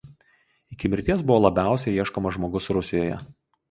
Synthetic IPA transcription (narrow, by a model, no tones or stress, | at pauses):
ɪkʲɪmʲɪɾʲt̪ʲiɛsbʊʋoːlˠɐbʲæˑʊsʲɛiɛʃkoːmɐʒmoːɡʊsɾʊsʲɪjoːjɛ̰